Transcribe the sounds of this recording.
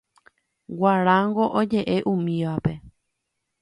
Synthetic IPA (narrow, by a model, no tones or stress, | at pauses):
waɾãŋɡo̞ʔod͡ʒe̞ʔe̞ʔũmĩʋape̞